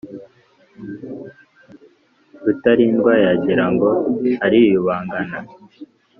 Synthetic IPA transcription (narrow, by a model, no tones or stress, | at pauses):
ɡutaɾindɡwaːjaɟiɾaŋɡo̞haɾijuβaːŋɡana